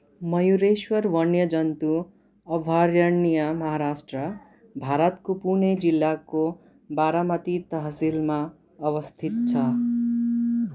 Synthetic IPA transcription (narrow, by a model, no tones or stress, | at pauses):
mʌjuɾeswʌɾʋʌnjʌd͡zʌnt̪u | ʌbʱaɾjʌɳijamʌɦaɾasʈrʌ | bʱaɾʌt̪kopuned͡zilːako | baɾamʌt̪it̪ʌɦsilma | ʌʋʌst̪ʰit̪̚t͡ʃʰʌ